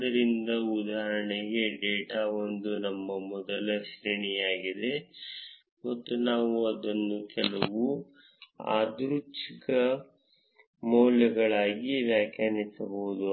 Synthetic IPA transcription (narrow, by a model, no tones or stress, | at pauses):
d̪ɐɾind̪ɐud̪aːɦɐɾɐɳɛɡe̞ɖeːʈaːond̪unɐmːɐmɔd̪ɐlɐʃɾiɳijaːɡid̪e̞ | mɐt̪ːunaːʋuɐd̪ɐnːukʰɛlɐʋu | a̰ːd̪ɾut͡ʃikɐ | mɔːlɐɡɐɭaːɡiʋjaːkjaːnisɐboud̪u